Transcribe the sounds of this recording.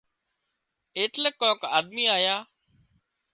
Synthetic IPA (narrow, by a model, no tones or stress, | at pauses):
eːʈləkːõːkaːɗ̪miːaːjaː